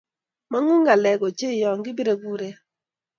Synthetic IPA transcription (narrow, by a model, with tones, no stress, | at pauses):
ma˦ŋu˦ŋɡa˨lɛ˨ɡo˨t͡ʃe˦˨jɔ˨ŋɡɪ˦bi˦ɾe˨ɡu˦ɾe˦